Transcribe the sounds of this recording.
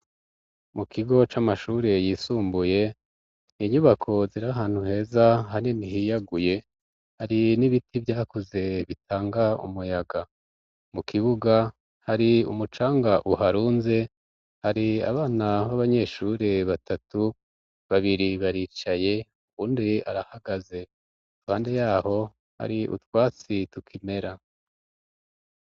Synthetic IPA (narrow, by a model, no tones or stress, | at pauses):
mukʰiɡo̞t͡ʃamaʃuːɾe̞jiːsuːmbuje̞ | niɲuβakʰo̞ziɾaɦaːn̥huhe̞ːzaɦaninihijaɡuje̞ | haɾiniβitʰivjaːkoze̞βitʰaːŋɡaṵmujaɡa | mukʰiβuɡa | haɾiṵmut͡ʃaːŋɡaʔuɦaɾuːnze̞ | haɾia̰βaːnaβaβaɲe̞ʃuɾe̞βatatu | βaβiɾiβaɾiːt͡ʃaje̞ | uβuːndia̰ɾahaɡaze̞̥ | uhaːnde̞jaːho̞ | ha̰ɾiʔṵtwaːt͡situkʰimeɾa